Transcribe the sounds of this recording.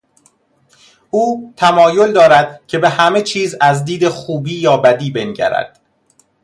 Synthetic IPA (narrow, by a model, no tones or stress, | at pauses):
ʔuːt̪ʰæmɒːjo̞ld̪ɒːɾæd̪̥̚cʰe̞be̞hæmet͡ʃʰiːzæzd̪iːd̪e̞xuːbiːjɒːbæd̪iːbe̞nɟæ̰ɾæ̰d̪̥